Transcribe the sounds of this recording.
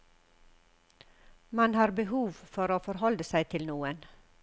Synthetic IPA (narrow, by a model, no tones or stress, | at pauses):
mɑnhɑːɾbəhuːʋfɔɾoːfɔɾhɔld̪əsæɪt̪ʰɪlnuːən